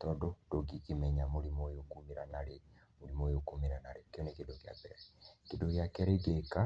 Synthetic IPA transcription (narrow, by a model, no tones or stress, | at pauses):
tɔdodoɡikemɛɲamoɾimojokumiɾanaɾe | molimojokomiɾanaɾekeonekedoɡea̰bɛɾɛkedoɡjakɛɾeɡeka